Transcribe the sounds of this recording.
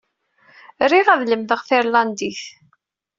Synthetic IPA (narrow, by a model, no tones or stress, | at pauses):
ɾiʁæðləmðəʁθiɾland̪iθ